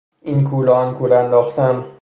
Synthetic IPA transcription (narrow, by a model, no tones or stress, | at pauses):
inkʰuːlɒɒnkʰulænd̪ɒːxt̪ʰæn